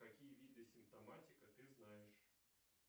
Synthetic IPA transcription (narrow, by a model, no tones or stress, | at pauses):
kakʲijɐvʲid̪ɛɐsʲimp̚t̪amat̪ʲikɐt̪ɨznajɛʂ